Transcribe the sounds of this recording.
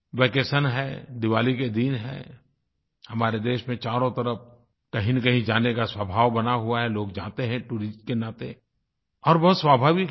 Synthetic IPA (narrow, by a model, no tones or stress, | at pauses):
ʋeːkeːʃənɦɛd̪ɪʋaːliked̪iːnɦɛ̰ː | hɐmaːɾed̪eːʃmẽt͡ʃaːɾõt̪ɐɾəp̚ʰ | kɐɦĩnkɐɦĩd͡ʒaːnekaswəbʱaːʋbɐnaɦuaɦɛloːk̚d͡ʒã̰ːt̪eɦɛ̃ʈuːɾɪsʈkenaːt̪e | ɔːɾbɐɦʊt̪swaːbʱaːʋɪk